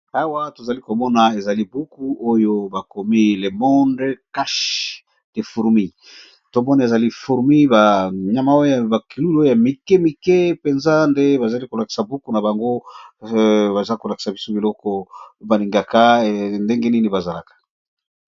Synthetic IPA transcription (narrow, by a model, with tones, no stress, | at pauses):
a˦wa˦to˨za˨li˦ko˨mɔ˦na˨e˨za˨li˦bu˦ku˦o˦jo˦ba˨ko˨mi˦le˨mɔ˦ndka˦ʃ | d̥e˨fu˨ʁmi˦ | to˨mɔ˦na˨e˨za˨li˦fu˨ʁmi˦ba˨ɲa˨ma˦o˦o˦˨ba˨ki˨lu˦lo˦o˦ja˨mi˨kɛ˦mi˨kɛ˦pe˨nza˦nde˦ba˨za˨li˦ko˨la˨ki̥˨sa˨bu˦ku˦na˨ba˨ŋɡo˦ | ba˨za˦ko˨la˨ki̥˨sa˨bi˦so˦bi˨lɔ˦kɔ˦ba˨li˨ŋɡa˨ka˦˨nde˦ŋɡe˦ni˦ni˨ba˨za˨la˨kḁ˨